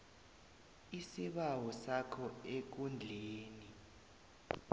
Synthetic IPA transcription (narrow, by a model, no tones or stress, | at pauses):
isiɓawɔsakʰɔek̬und͡ɮʱeːni